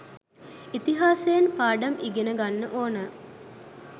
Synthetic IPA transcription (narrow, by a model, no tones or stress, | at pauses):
it̪iɦaːsejnpaːɖɐmʔiɡenəɡanːəʔoːnə